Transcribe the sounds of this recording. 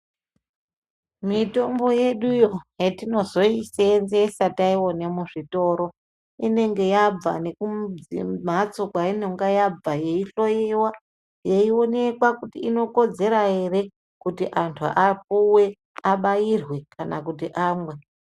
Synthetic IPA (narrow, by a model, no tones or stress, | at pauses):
mito̞mbo̞je̞ɗujojetino̞zo̞isenzesataiwo̞nemuʐito̞ɾo̞ | ine̞ŋɡe̞jab͡va̰ne̞kuḭmat͡sokwaineŋɡajab͡vaje̞iɬo̞jiwa | je̞io̞ne̞kwakutiino̞ko̞d͡ze̞ɾaje̞ɾe̞ | kutiʔantʰuʔap̚uwe̞ | aɓajirwe̞kanakutiʔaːmɡwe